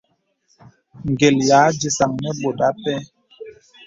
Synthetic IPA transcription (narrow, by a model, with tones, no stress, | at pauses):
ŋ̩˨ɡe˨ljaː˨˦d͡ʒi˨sa˨ŋnɛ˦bo˨da˦pɛ˦